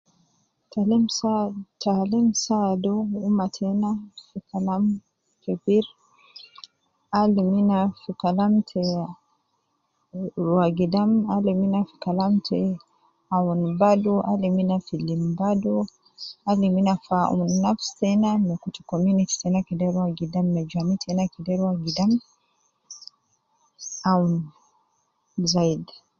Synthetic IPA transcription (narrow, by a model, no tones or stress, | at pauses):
ta | tʰalimsadɔumatʰɛnafikalam | fɛbiɾ | aliminafikalamtʰɛ | ɾwaɡidamaliminafi̥kalamtʰɛ | aunbaduʔaliminafilimbadu | aliminafaunːafsɛnamɛkutikɔmjuniti̥sɛnakidɛɾuaɡidamːɛd͡ʒamitʰɛnakidɛɾwaɡidam | aun | zaid